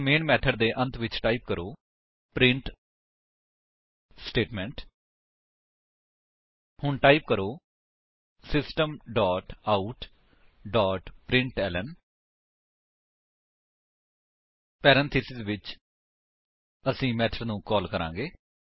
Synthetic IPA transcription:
meːnmɛːʈʰəɖd̪eːʔə̃nt̪ʰʋɪt͡ʃʈaːiːp̚kəɾoː | pɾɪɳʈ | sʈeːʈmɛ̃ːɳʈ | hʊɳʈaːip̚kəɾoː | sɪsʈəmɖaːʈaːuʈ | ɖaːʈpɾɪ̃ɳʈɛːlən | pɛːɾɛ̃nt̪ʰiːsɪzʋɪt͡ʃ | əsĩːmɛːʈʰəɖnũːkɔːlkəɾã̰ːŋɡeː

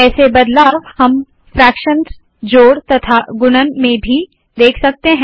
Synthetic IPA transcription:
ɛːsebɐd̪laːʋhɐm | fɾɛːkʃənz | d͡ʒoːɽt̪ɐt̪ʰaɡʊnənmẽbʱi | d̪eːkʰsɐk̚t̪eɦɛ̃

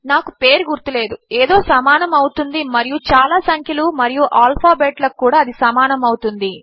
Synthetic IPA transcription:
naːkupe̞ːɾɡuɾt̪ule̞ːd̪ueːd̪o̞ːsɐmaːnɐmɐwt̪und̪imɐɾijut͡ʃaːlaːsɐŋkʰjɐlumɐɾijuʔaːlpʰaːbeːʈlɐkːuːɽaːɐd̪isɐmaːnɐmɐwt̪und̪i

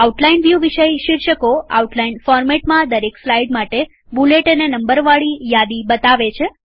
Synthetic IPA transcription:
auʈlainʋjuʋiʃəjʃɪɾʃəkoa̰uʈlainfɔɾmeʈmãd̪əɾekslaiɖmaʈe | buleʈənenəmbəɾʋaɭijad̪ibət̪aʋet͡ʃʰe

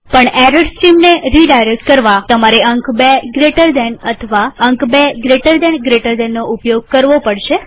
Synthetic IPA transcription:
pəɳɛɾəɖsʈimneɾiɖajɾek̚ʈ̚kəɾʋat̪əmaɾeəŋkbeɡɾeʈəɾd̪ɛnət̪ʰəʋaəŋkbeɡɾeʈəɾd̪ɛnɡɾeʈəɾd̪ɛnːoupjoɡ̚kəɾʋopəɽʃe

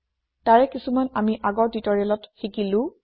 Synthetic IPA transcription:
taɹɛkisumanamiʔaɡɔɹditɔɹiɛlɔtxikilʊ̃

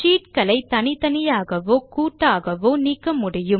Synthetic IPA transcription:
t͡ʃiːʈkɐlɐɪt̪ɐnɪt̪ɐnɪjaːɣɐʋoːkuːʈːaːɣɐʋoːniːkːɐmʊɽɪjɯm

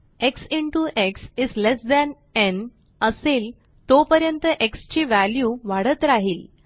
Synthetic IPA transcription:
eksiɳʈuʔeksid͡zlesd̪ɛn | en | əsel | t̪opəɾjənt̪əʔekst͡ɕiːʋæljuːʋaɽət̪ɾaɦiːl

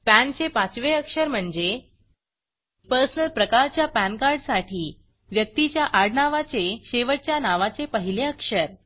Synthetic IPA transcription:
pænɕepãt͡sʋeəkʂəɾm̤əɳd͡ze | pəɾsənəlpɾəkaɾt͡ɕjapænkaɾɖsaʈʰiː | ʋjək̚t̪it͡ɕjaʔaɽnaʋat͡seɕeʋəɽ̚t͡ɕjanaʋat͡sepəɦileəkʂəɾ

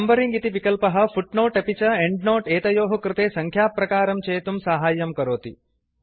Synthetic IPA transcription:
ɐmbɐɾiŋɡit̪iʋikɐlpɐɦɐ̆fuʈnoːʈɐpit͡ʃɐeɳɖnoːʈeːt̪ɐjoːɦɐkɾɪt̪eːsɐŋkʰjaːpːɾɐkaːɾɐmt͡ʃeːt̪umsaɦaːjɐmkɐɾoːt̪ḭ

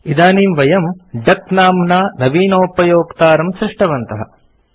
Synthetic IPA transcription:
id̪aːniːmʋɐjɐmɖɐknaːmnaːnɐʋiːnoːpɐjoːkt̪aːɾɐmsɾiʂʈɐʋɐnt̪ɐɦɐ̰

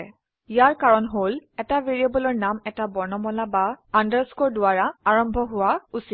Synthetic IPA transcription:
ijaɹkaɹɔnɦolɛtaveɹiabɔlɔɹnamɛtabɔɹnɔmɔlabaandaɹskoɹdʊaɹaaɹɔmbʱɔɦʊwausi

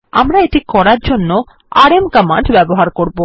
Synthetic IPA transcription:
amɾaeʈikɔɾaɾd͡ʑonːo | aɾemkamaɳɖbɛboɦaɾkoɾbo

